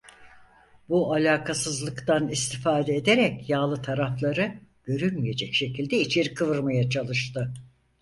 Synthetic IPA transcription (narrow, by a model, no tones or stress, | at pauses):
bualʲaːkʰasɯzlˠɯkt̪anist̪ʰifaːd̪ɛːd̪e̞ɾɛcjaːlˠɯt̪ʰaɾaflˠaɾɯɟ̥ø̞ɾylʲmije̞d͡ʒɛcʃe̞cʰilʲd̪ɛit͡ʃʰeɾkʰɯvɯɾmajat͡ʃʰalˠɯʃt̪ɯ